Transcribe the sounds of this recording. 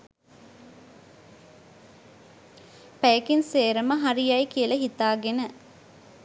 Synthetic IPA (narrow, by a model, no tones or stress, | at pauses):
pæjəkinseːɾəməɦaɾijajkiəlɐɦit̪aːɡenə